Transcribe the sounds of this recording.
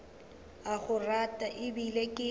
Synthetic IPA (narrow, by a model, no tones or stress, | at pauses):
aɣʊratʼaʔɪbilekʼɪ